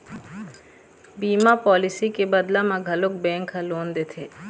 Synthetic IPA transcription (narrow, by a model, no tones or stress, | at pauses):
biːmapɔːlɪsikebɐd̪lamãɡʱɐlʊk̚bɛ̃ːŋkɦɐloːnd̪eːt̪ʰeː